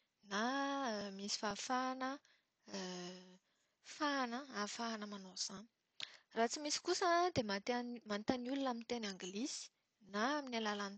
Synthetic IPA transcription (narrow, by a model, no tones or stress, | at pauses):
namisi̥fafanə | fanəafanəmanoz̥ani̥ | rat͡simisi̥kusəd̪emat̪nmant̪aniulunamint̪enaŋɡlisi̥ | naaminalalan